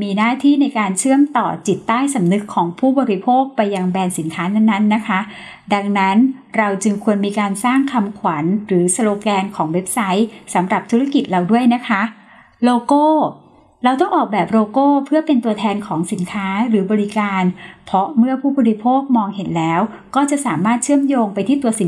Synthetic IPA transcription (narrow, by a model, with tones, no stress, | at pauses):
miː˧naː˥˩t̪ʰiː˥˩na˧jkaː˧nt͡ɕʰɯ˥˩əmt̪ɔ̰ː˨˩t͡ɕi˨˩t̪ːaː˥˩jsa˩˦mnɯ˦˥kʰːɔː˩˦ŋpʰuː˥˩bɔː˧ɾi˦˥pʰoː˥˩k̚pa˧jːa˧ŋbɛː˧nsi˩˦nkʰaː˦˥na˥˩nːa˦˥nːa˦˥kʰa˦˥ | da˧ŋna˦˥nɾa˧wt͡ɕɯ˧ŋkʰu˧ənmiː˧kaː˧nsaː˥˩ŋkʰa˧mkʰwa˩˦nɾɯː˩˦sa˧loː˧kɛː˧nkʰɔː˩˦ŋwe˦˥p̚sa˦˥jsa˩˦mɾa˨˩p̚t̪ʰu˦˥ɾa˦˥ki˨˩t̪̚ɾa˧wdu˥˩əjna˦˥kʰa˦˥ | loː˧koː˥˩ | ɾa˧wt̪̬ɔ˥˩ŋʔɔː˨˩k̚bɛː˨˩p̚ɾoː˧koː˥˩pʰɯ˥˩ɐpe˧nt̪u˧ɐt̪ʰɛː˧nkʰɔː˩˦ŋsi˩˦nkʰaː˦˥ɾɯː˩˦bɔː˧ɾi˦˧˥kaː˧npʰɔ˦˥mɯ˥˩ɐpʰuː˥˩bɔː˧ɾi˦˥pʰoː˥˩k̚mɔː˧ŋhe˨˦nlɛː˦˥w | kɔː˥˩t͡ɕa˨˩ʔsaː˩˦maː˥˩t̪̚t͡ɕʰɯ˥˩əmjoː˧ŋpa˧jt̪ʰiː˥˩t̪u˧əsi˩˦